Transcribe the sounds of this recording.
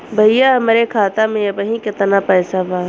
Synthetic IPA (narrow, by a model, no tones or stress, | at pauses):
bʱɐijaɐmɾekʰaːt̪amẽɐbəɦĩkɪt̪napɛːsabaː